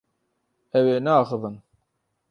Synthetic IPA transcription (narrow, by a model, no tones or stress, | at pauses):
ɛweːnɛaːxɨvɨn